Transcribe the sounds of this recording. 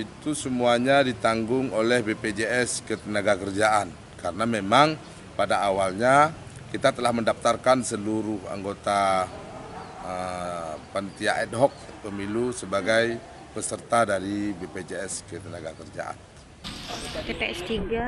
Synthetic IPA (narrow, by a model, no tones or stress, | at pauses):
it̪usəmuaɲadit̪aŋɡʊŋolɛhbeped͡ʒeɛskət̪ənaɡakərd͡ʒaʔan | kaɾənamemaŋ | padaːwalɲa | kit̪at̪əlahməndaft̪arkansəluɾʊha̰ŋɡot̪a | ə | pant̪iaʔɛt̪̚ɦɔk̚pəmilusəbaɡaj | pəsərt̪adaɾibeped͡ʒeɛskət̪ənaɡakərd͡ʒa̰ʔa̰n | t̪epeɛst̪iɡa